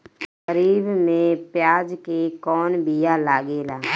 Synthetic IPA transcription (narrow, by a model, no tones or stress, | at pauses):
ɣəɾiːbmẽpjaːd͡ʒkekɔːnbijalaːɡeːlaː